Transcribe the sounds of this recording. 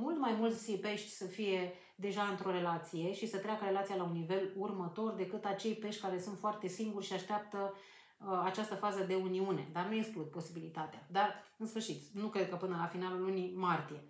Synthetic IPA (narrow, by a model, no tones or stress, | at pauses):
mult̪majmult̪sʲpe̞ʃt̪ʲsəfije̞ | d̪e̞ʒaɨnt̪ɾo̞ɾe̞lat̪sije̞ʃisət̪ɾeakəɾe̞lat̪sijalaunːive̞lurmət̪o̞rd̪e̞kɨt̪at͡ʃe̞jpe̞ʃt̪ʲkaɾe̞sunt̪foart̪e̞siŋɡurʲʃiaʃt̪eap̚t̪ə | at͡ʃast̪əfazəd̪e̞uniune̞̰d̪arnueksklud̪̚po̞sibilit̪at̪ead̪ar | ɨnsfɨrʃit̪nukɾe̞d̪̚kəpɨnəlafinalulːunimart̪ije̞